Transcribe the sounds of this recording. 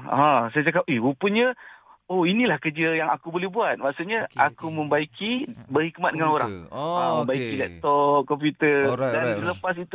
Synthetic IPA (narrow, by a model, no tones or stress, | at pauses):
ãsajat͡ʃakap̚ʔiwupənɲəoinĩlahkəd͡ʒəjaŋa̰kubolɛbuat̪̚maʔsuʔɲəʔakumə̃mbaikʰibərhik̚mat̪̚dəŋanoɾa̰ŋamə̃mbaikilɛp̚t̪ɔp̚kɔmp̬jut̪ədansələpasit̪u